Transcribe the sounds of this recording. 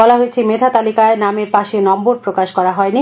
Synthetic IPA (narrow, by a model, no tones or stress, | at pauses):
bɔlaɦoet͡ɕʰemed̪ʱʰat̪alikaenameɾpaʃenɔmboɾpɾokaʃkɔɾaɦɔeni